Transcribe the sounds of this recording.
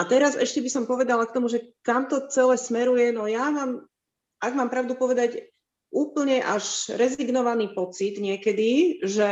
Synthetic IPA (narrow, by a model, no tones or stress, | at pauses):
at̪ɛɾazɛ̰ʃcɛbisɔmpɔʋɛd̪alak̚t̪ɔmuʒɛkamt̪ɔt͡sɛlɛːsmɛɾujɛnɔjamaːm | aɡmaːmpɾaʊd̪upɔʋɛd̪aɟ | ʔuːpl̩ɲɛʔaʒɾɛziɡnɔʋaniːpɔt͡sid̪ɲɪɛkɛd̪iʒɛ